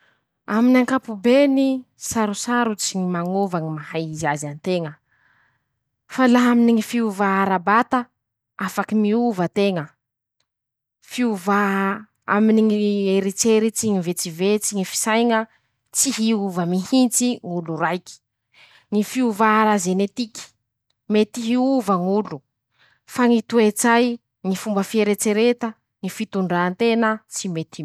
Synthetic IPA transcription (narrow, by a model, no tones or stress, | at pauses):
aminaŋkapubeni | saɾusaɾut͡siɲimaŋovaŋimahajiziazanit̪eŋə | falaɦaminiŋifiuvaaɾabat̪a | afakimiuvət̪eŋə | fiuvaɦ | aminiŋieɾet͡seɾit͡siŋivet͡sivet͡siŋifi̥sajŋə | t͡siɦiuvəmihint͡siŋuluɾajki̥ | ŋifiuvaɦɾazenet̪iki̥ | met̪iɦiuvəŋulu | faŋit̪uet͡saj | ŋifumbəfieɾet͡seɾet̪ə | ŋifit̪uɳɖ͡ʐaːnt̪enət͡simet̪i